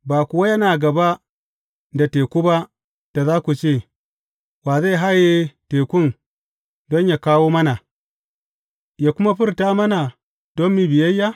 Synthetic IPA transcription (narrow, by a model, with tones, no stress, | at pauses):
baː˨kʊ˨wa˦jɐ˦naː˨ɡɐ˨ba˦ | da˨teː˨kʷu˦ba˦ | d̥a˨zaː˦kʷu˨t͡ʃeː˦˨ | waː˨za˦jɦa˦je˦teː˨kʷʊ˦n | dɔ˦ɲja˨kaː˦woː˦mɐ˦na˨ | ja˨kʷʊ˦ma˦ɸɪ˦ɾtaː˦mɐ˦na˨ | d̥ɔ˦mːi˨bɪ˨jɐ˦jːa˦